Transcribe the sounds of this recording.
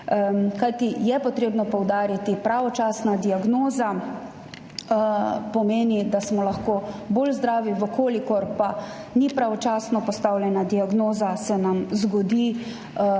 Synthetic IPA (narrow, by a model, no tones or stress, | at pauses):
kajt̪ijɛpɔt̪ɾeːbnɔpɔwd̪aːɾit̪ipɾaʋɔt͡ʃaːsnad̪iaɡnoːza | pɔmeːnid̪asmɔlaxkoːboːlzd̪ɾaːʋiʋəkoːlikɔɾpa | nipɾaʋɔt͡ʃaːsnɔpɔst̪awljɛnad̪iaɡnoːzasɛnamzɡɔd̪i